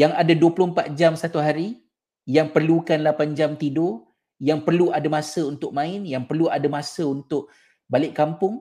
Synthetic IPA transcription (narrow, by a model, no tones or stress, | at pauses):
jaŋadaduəpulʊhm̩pat̪̚d͡ʒamsat̪uɦaɾi | jaŋpərlukanlapand͡ʒamt̪ido | jaŋpərluʔadamãsəunt̪ʊk̚mãɪnjaŋpərluadamasəunt̪ʊʔ̚ | balɪʔkːampʊŋ